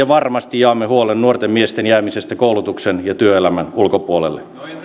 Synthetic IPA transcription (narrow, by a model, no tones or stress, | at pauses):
ɑʋɑrmɑst̪ijɑːmːehuolennuort̪emmiest̪enjæːmisest̪ækoulut̪uksenjɑt̪yøelæmænulkopuolḛlːe